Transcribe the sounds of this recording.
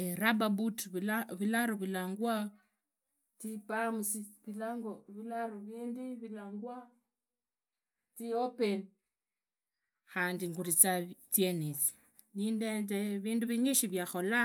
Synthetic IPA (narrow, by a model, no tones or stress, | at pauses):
eɾababutβaβilaɾoβilaːŋɡwa | tipamusiβilaŋɡoβilaɾoβiːndiβilaːŋɡwa | tiopen | xaːndiŋɡuɾit͡satjenit͡si̥ | niːndendeβiːnduβiɲiʃiβjaxo̞la